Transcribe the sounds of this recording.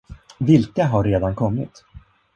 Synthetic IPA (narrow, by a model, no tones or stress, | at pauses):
vɪlkaɦaɾːeːd̪ankʰɔmːɪ̰t̪